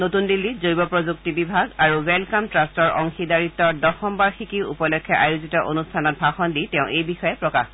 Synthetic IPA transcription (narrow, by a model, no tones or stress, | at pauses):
notundilːizojbɔpɹozuk̚tibibʱaɡaɹuwɛlkamtɹastɔɹɔ̰ŋxidaɹitːɔdɔxɔmbaɹxikiṵpɔlɔkʰːjɛʔajuzitɔʔonustʰanɔt̚bʱaxɔnditɛʊ̃ʔejbixɔjɛpɹɔka̰x